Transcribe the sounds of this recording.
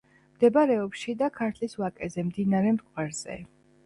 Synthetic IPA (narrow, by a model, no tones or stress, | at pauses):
md̪̥ɛbaɾɛɔpʃid̪akʰaɾt̪ʰliswakʼɛzɛmd̪inaɾɛmt̪ʼkʼwaɾz̥ɛ̰